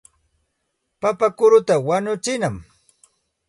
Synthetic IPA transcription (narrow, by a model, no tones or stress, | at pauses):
papakʊɾʊt̪awaɲʊt͡ʃɪnam